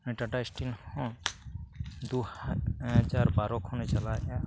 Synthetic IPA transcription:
eʈaʈaisʈinhɔ̃ | d̪uh | d͡ʒaɾbaɾɔkʰɔ̃net͡ʃalaa

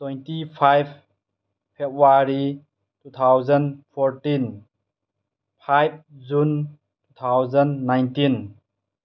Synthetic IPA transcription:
twɔjntipʰajb̚ʰ | pʰebuaɾi | tut̪ʰawzənpʰɔɾtin | pʰajb̚d͡ʒun | tut̪ʰawzɐnːajntin

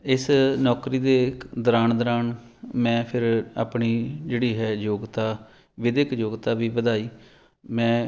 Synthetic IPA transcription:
ɪsnɔːkɾiːd̪eːd̪əɾaːɳd̪əɾaːɳmɛ̃ːpʰɪɾa̰ːpɳiːd͡ʒeːɽiːɦɛːjoːɡt̪aː | ʋɪd̪ɪkjoːɡt̪aːʋiːbəd̪aːiː | mɛ̃ː

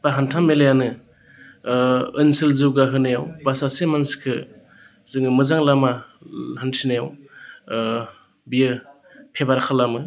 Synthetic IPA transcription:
baɦantʰamelejanɯ | ɯnsɯlzɯwɡaɦɯnajawbasasemanskʰɯ | z̥ɯŋɯmɯzaŋlamahantʰinajaw | bijɯ | pʰebaɾkʰalamɯ

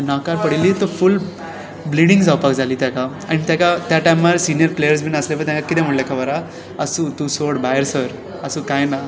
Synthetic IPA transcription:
nakaɾpəɽilit̪ɔful | bliɽiŋɡd͡zawpakd͡zʱaliːt̪jaka | aɽ̃it̪jakat̪jaʈajmaɾsinijəɾplejəɾs̬bʱinəsleʋəɾt̪jakakit̪ɛ̃m̤əʈlakʰaʋaɾa | əsut̪usoɽbajəɾsəɾ | əsũːkajna

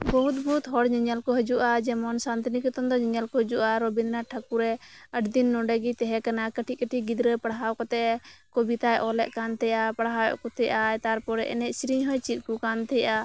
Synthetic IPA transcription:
bɔɦut̪̚bɔut̪ɦɔɽd͡ʒəɲalkɔɦɛd͡ʒuʔad͡ʒɛmɔnsant̪nikɛt̪ɔnd̪ɔd͡ʒɛɲalkɔɦɛd͡ʒuʔaɾɔbinnaʈʰakuɾɛəʈʰd̪inːɔɖɛɡit̪ɛɦɛkanakəʈʰiʔkəʈʰiɡid̪ɾəpaɽɦawkɔt̪ɛʔkɔbit̪ajʔɔlɛʔkant̪ɛjaapaɽɦawɛ̰ʔkɔt̪ɛjaʔaɛt̪aɾpɔɾɛʔɛ̰nɛʔsɾiɲɦɔjt͡ʃit̪̚ˀkukant̪ɛjʔa

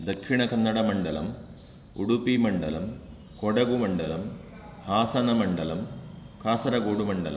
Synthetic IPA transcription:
d̪ɐkʂiɳɐkɐnːɐɽɐmɐɳɖɐlɐ̰m | ṵɽupːimɐɳɖɐlɐm | koɽɐɡumɐɳɖɐlɐm | haːsɐnɐmɐɳɖɐlɐm | kaːsɐɾɐkoːɽumɐɳɖɐlɐ̰m

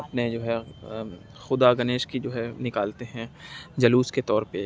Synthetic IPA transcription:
pned͡ʒoːɦɛ | xʊd̪aɡɐneːʃkid͡ʒoːɦɛnɪkaːlt̪eɦɛ̃d͡ʒɐluːsket̪ɔːɾpe

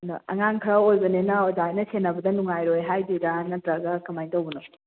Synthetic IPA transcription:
nɔɐ̰ŋaŋkʰɾaojbɐnenɐozajnɐsenːɐbɐdɐnuŋajɾojɦajdidanɐdɾaɡakɐmajntowbɐno

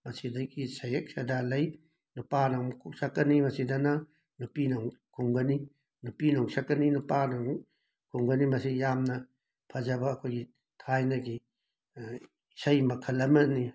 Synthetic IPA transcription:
mɐsidɐɡisɐjek̚sɐdalɐj | nupanamkʰuksɐkːɐnimɐsidɐnɐ | nupinoŋkʰuŋɡɐni | nupinoŋsɐkːɐninupanɐ | kʰuŋɡɐnimɐsijamnɐ | pʰɐzɐbɐːkʰojɡi | tʰajnɐɡi | sɐjmɐkʰɐlːɐmɐni

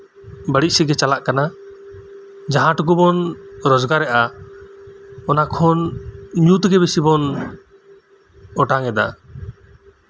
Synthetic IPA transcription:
bəɽisɛɡɛt͡ʃalaʔkana | d͡ʒaɦãʈukubɔnɾɔzɡaɾːɛʔa | ɔnakʰɔnɲut̪ɡɛbesibɔn | ɔʈaŋɛd̪a̰

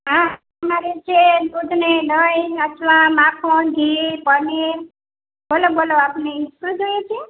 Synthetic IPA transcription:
ɦã | əmaɾet͡ʃʰed̪ud̪neɖəjət̪ʰʋãmakʰõɡ̪ʱipəne | boloboloapneisud͡ʒojet͡ʃʰe

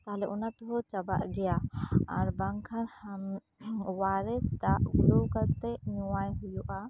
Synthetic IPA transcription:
t̪aɦlɛʔunat̪ɔɦɔt͡ʃaba̰ʔɡɛjaaɾbaŋkʰaɾham | waɾɛsd̪aʔɡulowkaɾt̪ɛɲuwajɦujuʔa

